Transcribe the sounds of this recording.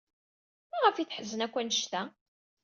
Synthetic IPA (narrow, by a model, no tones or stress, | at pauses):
mæʁəfjiθħəzːənækʷːænːəʃt̪æ